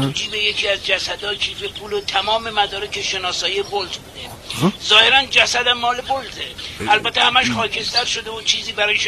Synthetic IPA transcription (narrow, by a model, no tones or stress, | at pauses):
ud͡ʒiːbe̞je̞cʰiːæzd͡ʒæsæd̪ɒːkʰiːfepʰuːlot̪ʰæmɒːme̞mæd̪ɒːɾekʰeʃe̞nɒːsɒːiebolt̪ʰbuːd̪e | zɒːhe̞ɾænd͡ʒæsæd̪æmːɒːlebolt̪ʰeælbæt̪ʰːehæmæʃχɒːcʰe̞st̪ʰæɾʃod̪eot͡ʃʰiːziːbæɾɒːjeʃ